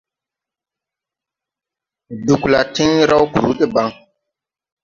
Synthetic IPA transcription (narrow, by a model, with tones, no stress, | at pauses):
du˨kla˨ti˦ŋ˦ɾa˦wku˨ɾu˨˦ki˦ba˦ŋ